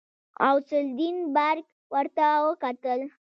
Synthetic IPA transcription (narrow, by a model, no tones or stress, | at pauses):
a̰wsʊld̪inbaɾɡ | wəɾt̪awəkat̪əl